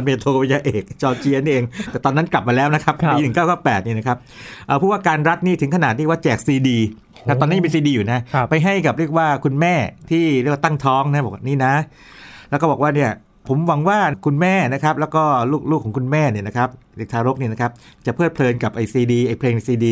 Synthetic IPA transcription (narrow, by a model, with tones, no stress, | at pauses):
nmeː˧t̪ʰoː˧e˧jaː˧ʔeː˨˩k̚t͡ɕɔː˧t͡ɕi˧˥a˧niː˥˩ʔeː˧ŋt̪ɛː˨˩t̪ɔː˧nːa˦˥nkla˨˩p̚maː˧lɛː˦˥wna˦˥kʰa˦˥p̚iː˧nʰ˨˩ŋkaː˥˩wkaː˥˩wpɛː˨˩t̪̚niː˥˩na˦˥kʰa˦˥p̚ʔəː˨˩pʰuː˥˩waː˥˩kaː˧nɾa˦˥t̪̚niː˥˩t̪ʰɯ˩˦ŋkʰnaː˨˩t̪̚ni˥˩waː˥˩t͡ɕɛː˨˩k̚siː˧diː˧ | kʰa˦˥t̪ɔː˧na˦˥˧mː˧siː˧diː˧juː˨˩na˦˥pa˧jɦa˥˩jka˨˩p̚ɾi˥˩ək̚waː˥˩kʰu˧nmɛː˥˩t̪ʰiː˥˩ɾi˥˩waː˧t̪a˥˩ŋt̪ʰɔː˦˥ŋna˦˥bɔː˨˩kwa˥˩niː˥˩na˦˥ | lɛ˦˥kɔː˥˩bɔː˨˩waː˥˩ni˥˩ɐ | pʰo˩˦mwa˩˦ŋwaː˥˩kʰu˧nmɛː˥˩na˦˥kʰa˦˥p̚lɛː˦˥wkɔː˥˩luː˥˩k̚luː˥˩kʰːɔː˨˩˦ŋkʰu˧nmɛː˥˩ni˥˩əna˦˥kʰa˦˥p̚deː˨˩k̚t̪ʰaː˧ɾo˦˥k̚niː˧˩na˦kʰa˦˥p̚t͡ɕa˨˩pʰɤː˥˩t̪̚pʰlɤː˧nka˨˩p̚ʔa˧jsiː˧diː˧ʔa˧˩jpʰleː˧ŋna˧jsiː˧diː˧